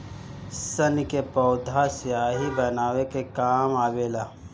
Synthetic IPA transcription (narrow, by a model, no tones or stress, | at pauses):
sənkepɔʊd̪ʱasjaːɦibɐnaːwekekaːmaːbeːlaː